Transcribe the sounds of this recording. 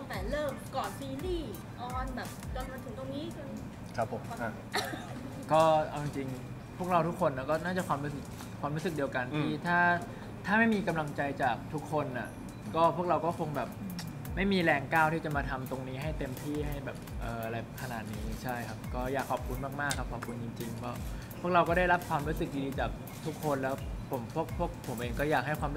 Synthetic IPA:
ɔ˧ŋfɛː˨˩lɤː˥˩kkɔː˨˩t̪̚siː˧liː˥˩ | ʔɔː˧nbɛː˨˩p̚ka˧˩na˧t̪ɯ˨˩˦ŋt̪o˧ŋniː˦˥kɯ˧n | kʰa˦pʰːm˧˩ | kɔː˥˩ʔa˧wt͡ɕi˧ŋt͡ɕi˧ŋ | pʰu˥˩əkɾa˧wt̪u˦˥kʰːo˧nːa˧˩kɔː˥˩naː˥˩t͡ɕa˨˩kwaː˧mɾu˦˥s̬ɯ˨˩k̚ʰwaː˧mɾu˦˥sɯ˨˩k̚di˧wka˧nt̪ʰːiː˥˩t̪ʰaː˥˩ | t̪ʰaː˥˩ma˥˩jmiː˧ka˧mla˧ŋt͡ɕa˧jt͡ɕaː˨˩k̚t̪ʰu˦˥kʰːo˧nʔa˨˩ | kɔː˥˩pʰu˥˩k̚ɾa˧wkɔː˥˩kʰo˧ŋbɛː˨˩p̚ | ma˥˩jmiː˧lɛː˧ŋkaː˥˩wt̪ʰiː˥˩t͡ɕa˨˩maː˧t̪ʰa˧mt̪o˧ŋniː˦˥ɦa˥˩jt̪e˧mt̪ʰiː˥˩ɦa˥˩jbɛː˨˩p̚ʔɤː˨˩ʔa˧ɾa˧jkʰa˧naː˨˩t̪̚niː˦˥t͡ɕʰa˥˩jkʰa˦˥p̚kɔː˥˩jaː˨˩kʰːɔː˨˩p̚kʰu˧nmaː˥˩k̚maː˥˩kʰːa˦˥p̚ʰɔː˨˩p̚kʰu˧nt͡ɕi˧ŋt͡ɕi˧ŋbɔː˦˥˩ | pʰu˥˩ək̚ɾa˧wkɔː˥˩ɾa˥˩jɾa˦˥p̚kʰwaː˧mɾuː˦˥sɯ˨˩k̚iː˧diː˧t͡ɕaː˨˩k̚ | t̪ʰu˦˥kʰːo˧nlɛː˦˥wpʰo˩˦mpʰu˥˩ək̚pʰu˥˩ək̚pʰo˨˩˦mʔeː˧ŋkɔː˥˩jaː˨˩k̚ɦa˥˩jkwaː˧m˦

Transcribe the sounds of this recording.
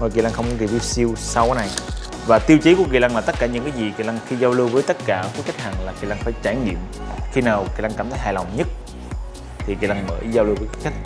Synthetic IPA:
nɔ˨˩jki˨˩la˧ŋxə˧wŋ͡mkɔ˨˦kvi˧wsi˧wsa˧wkɔː˨˦na˨˩j | vaː˨˩t̪i˧wt͡ɕi˨˦ku˧˩əki˨˩la˧ŋlaː˨˩t̪ə˦˥t̚kaː˧˩ɲɨ̰˧˥ŋkaː˨˦jzi˨˩ki˨˩la˧ŋxi˧zaː˧wlɨ˧wvəː˨˦jt̪ə˦˥t̚kaː˧˩ki˨˦ka˦˥jk̟̚haː˨˩ŋlaː˨˩ki˨˩la˧ŋfaː˧˩jt͡ɕaː˧˩jŋḭ˧˨əm | xi˧naː˨˩wki˨˩laː˧ŋkaː˧˩mt̪ʰːjɦaː˨˩la˨˩wŋ͡mɲə˦˥t̚ | t̪ʰi˨˩ki˨˩la˧ŋmə̰ː˧˦jzaː˧wlɨ˧wku˨˦ki˧˦˥ka˦jk̚

